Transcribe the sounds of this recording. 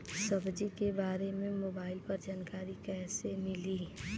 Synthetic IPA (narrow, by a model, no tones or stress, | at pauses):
səbd͡ʒikebaːɾemẽmoːbaːɪlpəɾd͡ʒaːnkaːɾikɛːsemɪli